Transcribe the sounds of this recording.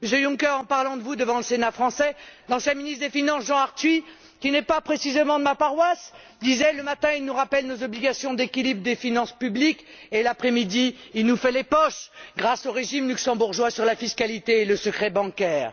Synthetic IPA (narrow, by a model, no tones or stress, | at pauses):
məsjøjũŋkɛʁɑ̃paʁlɑ̃d̪əvud̪əvɑ̃ləsenafχɑ̃sɛd̪ɑ̃sɛ̃minit̪d̪efinɑ̃sʒɑ̃aʁt̪ɥi | kʲinɛpapχesizemɑ̃d̪əmapaʁwas | d̪izɛləmat̪ɛ̃ilnuʁapɛlnozɔbliɡʲasjɔ̃d̪ekʲilibʁd̪efinɑ̃spyblikelapχɛmid̪iilnufɛlepɔʃɡʁasoʁeʒimlyksɑ̃buʁʒwasyʁlafiskalit̪eːləsəkχɛbɑ̃kʲɛːʁ